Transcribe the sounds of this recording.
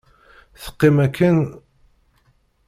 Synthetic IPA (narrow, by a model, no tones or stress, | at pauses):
θə̥qːɪmækʰːən